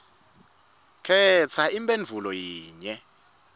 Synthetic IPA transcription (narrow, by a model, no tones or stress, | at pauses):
kʰɛt͡sʰaimpʼend͡vʱulɔjiːɲɛ